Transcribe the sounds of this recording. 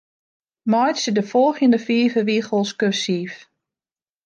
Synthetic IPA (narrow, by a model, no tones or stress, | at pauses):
mɔjtsədəfɔlˠxjəndəfiːvəʋixəlˠskøsiːf